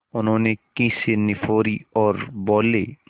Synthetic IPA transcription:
ʊnɦõːnekĩːsenɪfʰoːɾiɔːɾbɔːleː

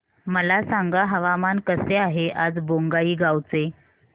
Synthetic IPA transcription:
məlasaŋɡaɦəʋamankəseaɦeʔad͡zboŋɡaiːɡawt͡se

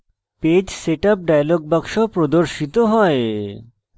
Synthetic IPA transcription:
ped͡ʑseʈap̚ɖajaloɡ̚baɡʃopɾod̪oɾʃit̪oɦɔe

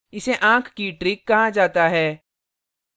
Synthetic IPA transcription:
ɪseʔãːkʰkiʈɾɪkːɐɦãd͡ʒaːt̪aɦɛː

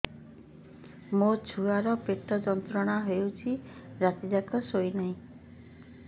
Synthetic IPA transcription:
mot͡ʃʰuaɾɔpeʈɔd͡ʒɔnt̪ɾɔɽ̃aɦewt͡ʃʰiɾat̪id͡ʒakɔsojnaɦĩ

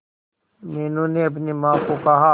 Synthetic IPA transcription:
meːnõːneɐp̬nimãːkokɐɦa

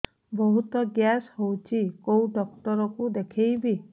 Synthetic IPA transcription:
bɔɦut̪ɔɡjashowt͡ʃʰikowɖɔk̚ʈɔɾɔkud̪ekʰejbʱi

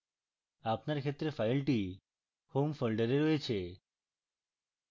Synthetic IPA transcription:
apnaɾkʰet̪ːɾefajlʈi | homfolɖəɾeɾɔet͡ɕʰe

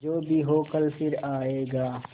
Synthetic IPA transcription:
d͡ʒoːbʱiɦoːkəlfɪɾaːeːɡaː

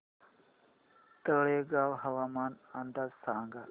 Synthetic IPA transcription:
t̪əɭeːɡaːwɦɐʋaːmaːnand̪aːzsaːŋɡaː

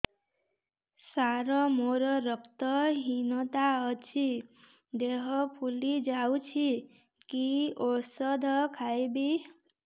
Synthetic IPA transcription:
saɾɔmoɾɔɾʌkʰt̪ɔɦinɔt̪aʌt͡ʃʰi | d̪eɦʌpʰulid͡ʒawt͡ʃʰi | kiosʌd̪ʱɔkʰajbi

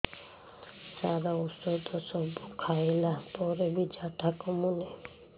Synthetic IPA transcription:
saɾausɔt̪ʰɔsɔbukʰaelapɔɾebid͡ʒaʈʰakɔmune

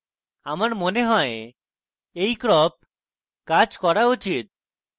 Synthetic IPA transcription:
amaɾmoneɦɔe | ejkɾɔp̚ | kad͡ʒkɔɾaut͡ʃit̪̚

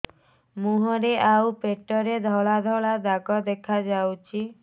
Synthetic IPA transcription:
muɦɔɾeʔawpeʈɔɾed̪ʱɔɭad̪ʱɔɭad̪aɡɔd̪ekʰad͡ʒawt͡ʃʰi

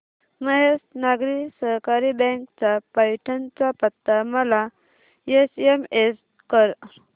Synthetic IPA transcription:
məɦesnaɡɾisəɦkaɾibɛ̃ŋkt͡sapajʈʰənt͡sapət̪ːaməla | jesemes | kəɾ

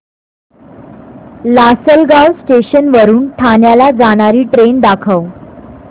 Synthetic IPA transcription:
lasəlɡawsʈeɕənʋəɾuːnʈʰanjalad͡zaɽ̃aɾiːʈɾend̪akʰəw

